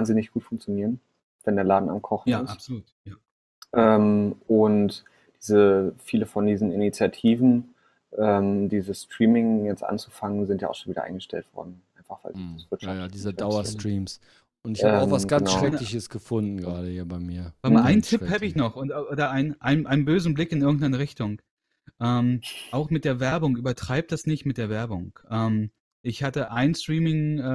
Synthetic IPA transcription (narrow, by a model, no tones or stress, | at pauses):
vaːnzɪnɪçɡ̥uːtfʊŋk̚t͡sjoniːʁən | vɛndeːɐlaːdn̩a̰mkʰɔχn̩ɪstsoluːtja | ʔɛːmʔʊnt | d̥iːzəfiːləfɔndiːzn̩ɪnit͡sjatʰiːvn̩ | ʔɛːmdiːzəstʁ̥iːmɪŋjɛt͡stʔa̰nt͡su̥faŋənzɪntja̰aʊxʃonviːdɐ̰ʔa̰ɪnɡəʃtɛ̰ltv̥ɔ̰ɐdn̩ʔaɪnfaχv̥a̰ɪliasv̥ɪɐt͡ʃʃadiːzɐdaʊɐstʁ̥iːms | ʔʊntɪçbaʊxvasɡ̥ansʃʁ̥ɛlɪçəsɡ̥əfʊndn̩ɡʁaːɾəhiːɐbaɪmiːɐamʔaɪnəntʰɪphaːbəɪçnɔχʔʊntʔoːdɐʔaɪnʔaɪnənʔaɪnənbøːzn̩blɪkɪnʔɪɐɡŋ̩tʔaɪnəʁɪçtʊŋ | ʔɛːmʔaʊxmɪt̚d̥eːɐvɛɐbʊŋʔyːbɐtʁ̥aɪp̚td̥asnɪçtmɪt̚d̥eːɐvɛɐbʊŋʔɛːm | ʔɪçhatəʔaɪnstʁ̥iːmɪŋ